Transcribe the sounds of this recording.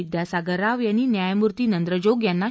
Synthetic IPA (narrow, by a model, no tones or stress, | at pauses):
d̪jasaɡəɾaʋjanːiːnjajmuɾt̪iːnənd̪ɾəd͡ʑoɡjanːa